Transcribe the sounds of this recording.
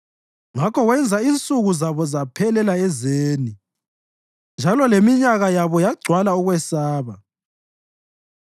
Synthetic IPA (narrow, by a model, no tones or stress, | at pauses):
ŋakɔwɛnd͡zʱaint͡sʼuɣuzaβɔzapʰɛlɛlaɛzeːni | nd͡ʒʱalɔlemiɲaɣajaβɔjaɡ͡ǀʱwalauɣwɛsaːβa